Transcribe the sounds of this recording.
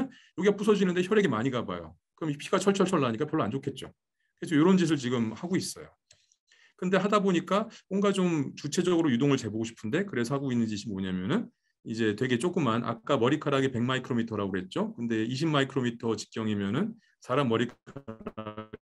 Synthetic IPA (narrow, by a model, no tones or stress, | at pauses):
jʌɡiap͈usʰʌd͡ʑinɯnde̞çjʌɾe̞ɡe̞maɲiɡaba̰jo̰ | kɯɾʌmpʰiɡat͡ɕʰʌɭt͡ɕʰʌɭt͡ɕʰʌɭːaɲik͈apjʌɭːoand͡ʑokʰe̞t̚t͡ɕ͈o̰ | kɯɾe̞s̬ʰʌjoɾʌnd͡ʑis̬ʰɯɭt͡ɕiɡɯmhaɡois͈ʌ̰jo | kɯnde̞ɦadaboɲik͈amonɡad͡ʑomt͡ɕut͡ɕʰe̞d͡ʑʌɡɯɾojudoŋɯɭt͡ɕe̞boɡoɕʰi̥pʰɯnde̞kɯɾe̞sʰʌɦaɡoinːɯnd͡ʑiɕʰimːoɲamjʌnɯn | id͡ʑe̞twe̞ɡe̞t͡ɕ͈ok͈ɯmanʔa̰k͈amʌɾikʰaɾaɡepe̞ŋmaikʰɯɾomitʰʌɾaɡoɦe̞t̚t͡ɕ͈okɯnde̞iɕʰimːaikʰɯɾomitʰʌt͡ɕi̥k̚kt͡ɕ͈jʌŋimjʌnɯn | sʰaɾamːʌɾikʰaɾ